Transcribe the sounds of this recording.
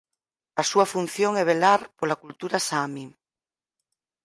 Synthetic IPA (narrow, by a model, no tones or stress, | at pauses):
asuafun̟θjoŋɛβ̞elaɾpolakult̪uɾasami